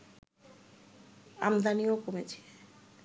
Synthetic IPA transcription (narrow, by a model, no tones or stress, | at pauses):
a̰md̪aniokomet͡ɕʰe̥